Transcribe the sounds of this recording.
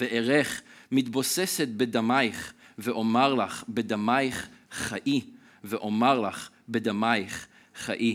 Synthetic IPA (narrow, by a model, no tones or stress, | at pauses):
veʔeʁeχmit̪boseset̪̚bed̪amajχveʔomaʁlaχbed̪amajχχaʔi | veʔomaʁlaχ | bed̪amajχ | χaʔi